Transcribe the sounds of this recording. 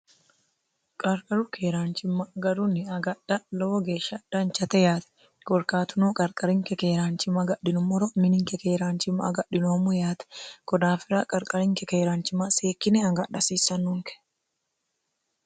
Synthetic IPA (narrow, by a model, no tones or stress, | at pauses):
kʼɐɾkʼɐɾʊkʰeːɾaːnt͡ʃɪmːɐɡɐɾʊnːɪɐɡɐɗɐloɡeːʃɐdɐnt͡ʃɐt̪ɛjaːt̪ɐ̥ | kɔɾkaːt̪ʊnoːkʼɐɾkʼɐɾɪŋkɛkeːɾaːnt͡ʃɪmɐɡɐɗɪnʊmɔɾɔmɪnɪŋkɛkeːɾaːnt͡ʃɪmːɐɐ̰ɡɐɗɪnoːmʊjaːt̪ɐ̥kɔd̪aːfɪɾaːkʼɐɾkʼɐɾɪŋkɛkeːɾaːnt͡ʃɪmaseːkːɪnɛɐɡɐɗɐsiːsɐnːʊŋkɛ̥